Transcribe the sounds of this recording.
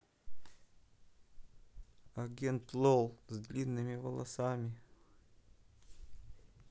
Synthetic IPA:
ɐɡʲent̪lˠolˠzd̪lʲinːɨmʲɪvəlˠɐsamʲɪ

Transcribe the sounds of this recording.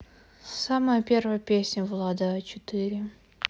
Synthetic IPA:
saməjəpʲe̞rvəjəpʲesʲnʲəvlˠad̪aət͡ɕɪt̪ɨɾʲɪ

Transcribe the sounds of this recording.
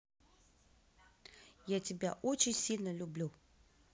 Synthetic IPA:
jatʲɪbʲa̰ʔot͡ɕɪnʲsʲilʲnəlʲʊblʲu

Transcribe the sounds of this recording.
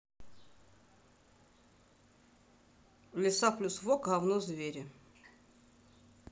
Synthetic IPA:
lʲɪsaplʲusvokʁavnɔzvʲeɾʲɪ

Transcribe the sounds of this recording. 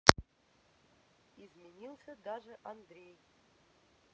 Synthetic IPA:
izmʲenʲilˠsʲɐd̪aʐɨʔand̪ɾʲej

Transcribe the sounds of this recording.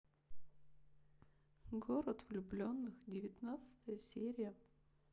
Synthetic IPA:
ɡoɾət̪v̥lʲʊblʲo̞nːɨxdʲɪvʲɪt̪nat̪sɨ̥t̪əjəsʲeɾʲɪjə

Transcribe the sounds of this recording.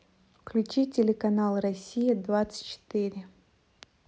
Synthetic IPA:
fklʲʉt͡ɕitʲɪlʲɪkɐnalˠrɐsʲijɪd̪vat̪sɨ̥tʲt͡ɕɪ̥t̪ɪɾʲɪ

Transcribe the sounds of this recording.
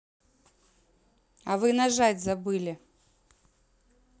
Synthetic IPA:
ɐvɨnɐʐadʲzɐbɨlʲɪ

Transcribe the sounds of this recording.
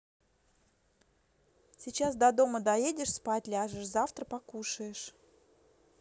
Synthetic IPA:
sʲɪt͡ɕas̬d̪ɐd̪o̞məd̪ɐjedʲɪʂspatʲlʲɪaʐɨʂzaft̪ɾəpɐkuʂəjɪʂ

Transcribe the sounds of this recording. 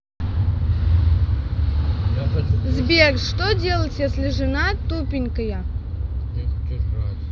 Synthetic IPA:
zbʲerʂʂt̪odʲelˠətʲjesʲlʲɪʐɨnat̪upʲɪnʲkəjə

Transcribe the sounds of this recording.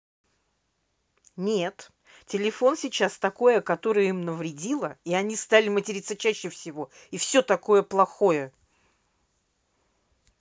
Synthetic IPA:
nʲet̪ | tʲɪlʲɪfo̞nsʲɪt͡ɕast̪ɐko̞jəkɐt̪o̞ɾɨjəimnəvɾʲɪdʲilˠəiɐnʲist̪alʲɪmətʲɪɾʲit̪sət͡ɕæɕːɪfsʲɪvo̞ | ifsʲot̪ɐko̞jəplˠɐxojə

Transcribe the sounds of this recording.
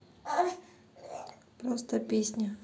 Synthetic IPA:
pɾost̪əpʲesʲnʲə

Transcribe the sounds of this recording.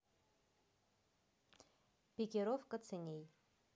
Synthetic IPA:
pʲɪkʲɪɾofkət̪t͡s̪ʰɨnʲej

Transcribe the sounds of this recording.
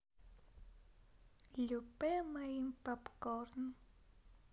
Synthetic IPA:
ʎʊpemajimpapkoɾn

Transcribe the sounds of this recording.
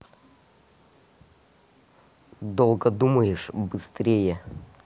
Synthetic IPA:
d̪olˠɡəd̪uməjɪʂbɨst̪ɾʲejə

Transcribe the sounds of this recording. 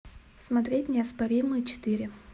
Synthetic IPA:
smɐt̪ɾʲetʲnʲɪɐspɐɾʲimɨjt͡ɕɪ̥t̪ɨɾʲɪ

